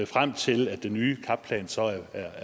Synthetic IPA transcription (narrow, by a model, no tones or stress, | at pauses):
fʁam̰t͡sʰe̝læd̥enyːkʰɑ̈b̥pʰlɛ̰ːnsɒ̽æɐ